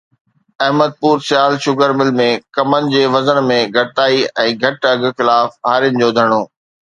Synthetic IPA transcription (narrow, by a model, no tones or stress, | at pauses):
ɐɦməd̪̚puːɾsɪjaːlʃʊɡəɾmɪlmẽkɐmənɪ̆d͡ʑeːʋɐzənmẽɡʱɐt̪aːiɛ̃ːɡʱɐʈɐɡ̆xɪlaːfɦaːɾjənɪ̆d͡ʑoːd̪ʱɐɽ̃oː